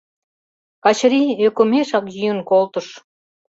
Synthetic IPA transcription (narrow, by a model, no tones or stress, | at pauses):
kɑt͡ɕɾiøkomeʃɑkjyjə̆nkolt̪ə̆ʃ